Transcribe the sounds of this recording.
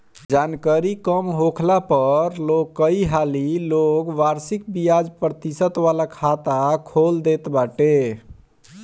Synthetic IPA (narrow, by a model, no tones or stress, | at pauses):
d͡ʒankaɾikəmɦokʰlapəɾlokːəiɦalilokʋaɾsik̚bijad͡ʒpɾət̪isət̪ʋalakʰat̪akʰold̪et̪baʈe